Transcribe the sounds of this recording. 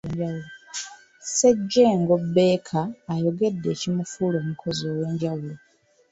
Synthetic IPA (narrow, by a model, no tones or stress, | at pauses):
ulo | seɟːeːŋɡobːe̞ːkʰaːjo̞ɡe̞dːe̞ːcimufuːloːmukʰo̞zioːwe̞ːɲɟawulo